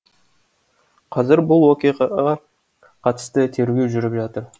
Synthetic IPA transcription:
qʰɑzɪɾbʊlˠwokʲejɑ | qʰɑt̪ə̥st̪ət̪ʰe̞ɾɡʲe̞wʒʏɾɪpʒɑt̪əɾ

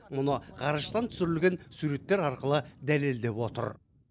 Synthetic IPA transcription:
mʊnəʁɑɾəʃt̪ɑnt̪ʰʏ̥sɪɾɪlɡʲe̞nsuɾe̞t̪ːe̞ɾɑɾqəlˠəd̪æle̞ld̪e̞pwo̞t̪ə̰ɾ

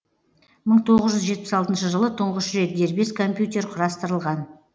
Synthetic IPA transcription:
məɴt̪ʰo̞ʁəzʒʏzʒe̞t̪pɪ̥sɑlˠt̪ənʃəʒəlˠət̪ʰʊɴʁəʃɾe̞t̪̚d̪e̞ɾbe̞skʰo̞mpjut̪ʲe̞ɾqʰʊɾɑst̪əɾəlˠʁɑn

